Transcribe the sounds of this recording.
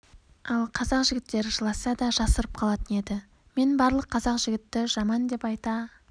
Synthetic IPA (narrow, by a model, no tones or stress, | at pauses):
ɑlˠqʰɑzɑqʒɪɡʲɪt̪ːe̞ɾɪʒəlˠɑsɑd̪ɑʒɑsəɾəp̚qʰɑlˠɑt̪əne̞d̪ɪ | me̞nbɑɾlˠəqʰːɑzɑqʒɪɡʲɪt̪ːɪʒɑmɑnd̪e̞pɑjt̪ɑ